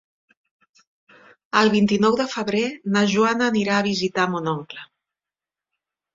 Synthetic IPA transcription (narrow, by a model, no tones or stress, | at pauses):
əlˠβ̞int̪inɔwðəfəβɾenəʒuanəːniɾaəβ̞izit̪amunɔŋklə